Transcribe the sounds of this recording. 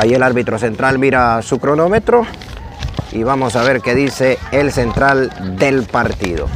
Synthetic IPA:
ajielaɾβit̪ɾo̞s̬e̞nt̪ɾalmiɾasukɾo̞no̞met̪ɾo̞ | iβamo̞saβe̞ɾke̞ðise̞ːlse̞nt̪ɾald̪e̞lpaɾt̪iðo̞̰

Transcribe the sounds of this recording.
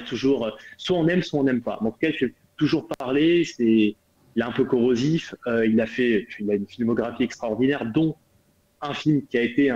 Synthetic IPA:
t̪uʒuʁøswaɔ̃nɛmswaɔ̃nɛmpa̰mɑ̃t̪u̥kaʒye | t̪uʒuʁpaʁlesɛ | ilaɛ̃pøkɔʁoziføilafɛøilaynfilmɔɡʁafiɛkst̪χaɔʁd̪inɛʁd̪ɔ̃ | ɛ̃filmkʲiaet̪ẽ

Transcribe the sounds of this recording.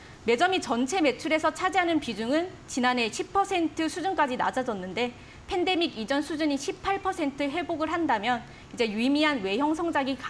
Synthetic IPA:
me̞d͡ʑʌmit͡ɕʌnt͡ɕʰe̞me̞t͡ɕʰuɾe̞sʰʌt͡ɕʰad͡ʑeɦanɯnpid͡ʑuŋɯn | t͡ɕinane̞ɕʰip̚ʰʌsʰe̞ntʰɯsʰud͡ʑunk͈ad͡ʑina̰d͡ʑad͡ʑʌnːɯnde̞ | pʰe̞nde̞miɡid͡ʑʌnsʰud͡ʑuɲiɕʰipʰaɭpʰʌsʰe̞ntʰɯɦwe̞boɡɯɭɦandamjʌn | id͡ʑe̞jumiɦanwe̞jʌŋsʰʌŋd͡ʑaɡika

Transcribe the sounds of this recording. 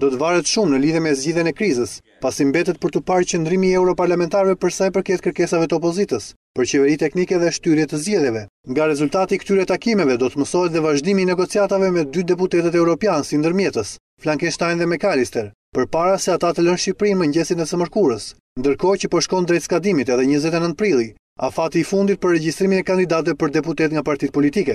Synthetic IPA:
d̪ɔt̪əvaɾɛt̪ʃumnəliðjɛmɛzɟiðjɛnɛkɾizəs | pasimbɛt̪ɛt̪̚pəɾt̪əpaɾt͡ɕənd̪ɾimiɛwɾɔpaɾlamɛnt̪aɾvɛpəɾsajpəɾkɛt̪̚kəɾkɛsavɛt̪əɔpɔzit̪əs | pəɾt͡ɕɛvɛɾit̪ɛknikɛðɛʃt̪yɾjɛt̪əzɟɛðjɛvɛ | ŋɡaɾɛzulʲt̪at̪ikə̥t̪yɾɛt̪akimɛvɛd̪ɔt̪əməsɔɦɛt̪ðɛvaʒd̪imiːnɛɡɔt͡siat̪avɛmɛd̪yd̪ɛp̬ut̪ɛt̪ət̪ɛwɾɔpjansind̪əɾmjɛt̪əs | flaŋkinʃt̪ajnðɛmɛkalist̪ɛɾ | pəɾpaɾasɛat̪at̪ələnʃipɾinmɛɲɟɛsinɛsəməɾkuɾəs | nd̪əɾkɔcəpɔʃkɔnd̪ɾɛt̪skad̪imit̪ɛðɛɲəzɛt̪ɛnənt̪̚pɾilˠi | a̰fat̪iːfund̪it̪̚pəɾːɛɟist̪ɾiminɛkand̪id̪at̪vɛpəɾd̪ɛput̪ɛt̪ŋɡapaɾt̪it̪̚pɔlit̪ikɛ

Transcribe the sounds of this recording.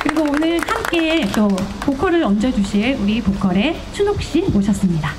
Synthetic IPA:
kɯɾiɡoonɯɭhamk͈et͈opokʰʌɾɯɾʌnd͡ʑʌd͡ʑuɕʰiɭuɾipokʰʌɾe̞ | t͡ɕʰunok̚ɕ͈imoɕʰʌs͈ɯmɲida

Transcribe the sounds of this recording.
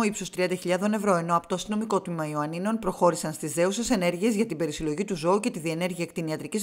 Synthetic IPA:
oipsost̪ɾiɐnd̪ɐçiʎɐðo̞ne̞vɾo̞e̞no̞ɐpo̥t̪oɐst̪ino̞miko̞t̪mimɐioɐnino̞npɾo̞xo̞ɾisɐnst̪izðe̞use̞se̞ne̞ɾʝie̞zʝɐt̪ibe̞ɾisilo̞ʝit̪uzo̞uce̞t̪iðie̞ne̞ɾʝiɐekt̪iniɐt̪ɾicis

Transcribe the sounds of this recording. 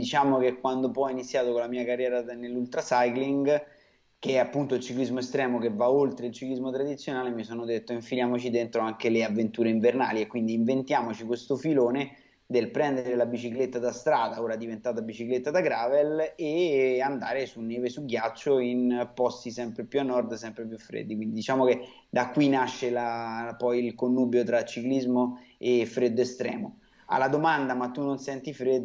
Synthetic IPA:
d̪it͡ʃaːmokekːwand̪opɔɔinit̪sjaːt̪okonlamiːakarːjɛːɾanelːult̪ɾasajkliŋɡ | keɛapːunt̪oilt͡ʃiklizmoest̪ɾɛːmokevːaolt̪ɾeilt͡ʃiklizmot̪ɾad̪it̪sːjonaːlemisonod̪et̪ːoiɱfiljaːmot͡ʃid̪ent̪ɾoaŋkeleavːent̪uːɾeiɱverna̰ːliekːwind̪iːɱvent̪jaːmot͡ʃikwest̪ofiloːne | d̪elpɾɛnd̪eɾelabit͡ʃiklet̪ːad̪ast̪ɾaːd̪aoːɾad̪ivent̪aːt̪abit͡ʃiklet̪ːad̪aɡɾaːveleand̪aːɾesunːeːvesuɡjat͡ʃːoinpɔst̪isɛmpɾepjuanːɔrd̪sɛmpɾep̬jufːɾḛd̪ːikwind̪id̪it͡ʃaːmoke | d̪akːwinaʃːelapɔjilkonːuːbjot̪ɾat͡ʃːiklizmoefɾed̪ːoest̪ɾɛ̰ːmo | a̰lːad̪omand̪amat̪ːunːonsɛnt̪ifɾed̪ː

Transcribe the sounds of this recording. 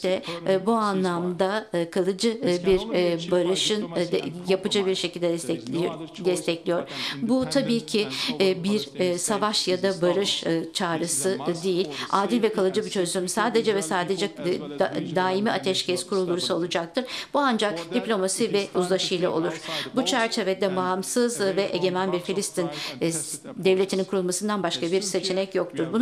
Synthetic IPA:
ɛbuanlˠamd̪akʰalˠɯd͡ʒɯbiɾbaɾɯʃɯnd̪japɯd͡ʒɯbiɾʃe̞cʰilʲd̪ɛɛd̪ɛst̪ʰɛclʲijoɾbut̪ʰabiːcʰɪbiɾsavaʃjad̪abaɾɯʃt͡ʃʰaːɾɯsɯd̪ejilʲaːd̪ilʲvɛkʰalˠɯd͡ʒɯbut͡ʃʰø̞zlʲymysaːd̪e̞d͡ʒɛvɛsaːd̪e̞d͡ʒɛ | d̪aːimiat̪ʰɛʃcʰɛz̥kʰuɾulˠːuɾusaolˠud͡ʒak̚t̪ʰɯɾb̥uand͡ʒakd̪̥iplʲo̞masivɛuzlˠaʃɯjlˠao̞̰lˠuɾ̥but͡ʃʰæɾt͡ʃʰe̞ved̪ɛbaːmsɯzvɛʔeɟe̞mænbiɾfilʲist̪ʰin | d̪ɛvlʲe̞t̪ʰininkʰuɾulˠmasɯnd̪anbaʃkʰabiɾse̞t͡ʃʰe̞nɛcjo̞kt̪ʰuɾbun

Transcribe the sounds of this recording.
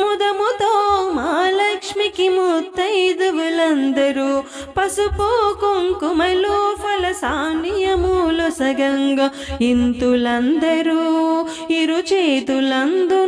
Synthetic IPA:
mud̪ɐmut̪oːmaːlɐkʂmikimut̪ːɐjd̪uʋulɐnd̪ɐɾu | pɐsupoːkuŋkumɐloːfʰɐlɐsaːnijɐmuːlɔsɐɡɐŋɡɐ | int̪ulɐnd̪ɐɾu | iɾut͡ʃeːt̪ulɐnd̪u

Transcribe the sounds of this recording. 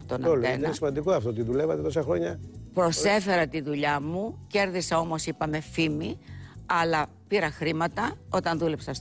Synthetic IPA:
t̪onɐolenɐnesimɐnd̪ikoɐft̪oot̪iðulevɐt̪et̪osɐxɾo̞ɲɐpɾo̞se̞fe̞ɾɐt̪iðuʎɐmuce̞ɾðisɐo̞mo̞sipɐme̞fimiɐlɐ | piɾɐxɾimɐt̪ɐo̞t̪ɐnðule̞psɐs

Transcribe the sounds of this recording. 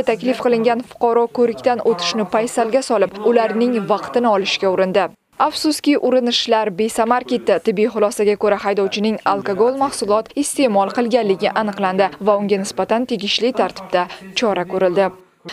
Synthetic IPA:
t̪ʰakʲlɪfqɨlˠɪŋɡʲanfʊ̥qʰɑɾɒkʰɵɾɪkʲt̪anʔot̪ʰɪ̥ʃnɪpʰajsalɡʲasɒlɪp̚ʊlaɾnɪŋvɑqt̪ɪnɪɒlɪʃkʲaʊɾɪnd̪ɪ | afsʊskʲɪʔʊɾɪnɪʃlaɾbe̞samaɾkʲet̪ːɪt̪ɪbːijχʊlˠɒsaɡʲakʰɵɾahajd̪ɒwt͡ʃʰɪnɪŋalˠkaɡolˠmahsʊlˠɒt̪ɪst̪e̞mɒlˠqɨlˠɡʲanlːɪɡʲɪʔanɨqlˠand̪ɪvaʊŋɡʲanɪsbat̪ant̪ʰe̞ɡʲɪʃlɪt̪ʰaɾt̪ʰɪ̥b̥t̪at͡ʃʰɒɾakʰɵɾɪld̪ɪ

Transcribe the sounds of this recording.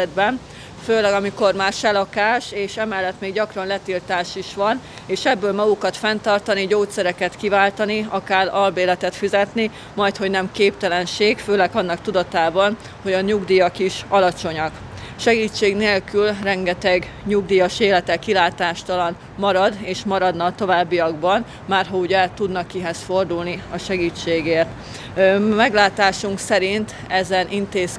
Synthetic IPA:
d̪̚bɛn | føːlɛɡɒmiko̞rmaːrʃɛlɒkaːʃeːʃɛmɛlːɛt̪meːɡɟɒkrɒnlɛt̪ilt̪aːʃiʃʋɒn | eːʃɛbːøːlmɒɡukɒt̪fɛnt̪ɒrt̪ɒniɟoːt̪sɛɾɛkɛt̪kivaːlt̪ɒniɒkaːrɒlbeːlɛt̪ɛt̪fizɛt̪ni | mɒjt̪ho̞ɟnɛmkeːpt̪ɛlɛnʃeːɡføːlɛɡɒnːɒk̚t̪ud̪ɒt̪aːbɒn | ho̞ɟɒɲuɡd̪ijɒkiʃɒlɒt͡ʃo̞ɲɒk | ʃɛɡiːt͡ʃːeːɡneːlkylrɛŋɡɛt̪ɛɡ | ɲuɡd̪iːjɒʃeːlɛt̪ɛkilaːt̪aːʃt̪ɒlɒn | mɒɾɒd̪eːʃmɒɾɒd̪nɒt̪o̞vaːbːijɒɡbɒn | maːrɦɒuɟɛt̪ud̪nɒkiɦɛsfo̞rd̪ulniɒʃɛɡiːt͡ʃːeːɡeːrt̪ | mɛɡlaːt̪aːʃuŋksɛɾint̪ | ɛzɛnʔint̪eːs

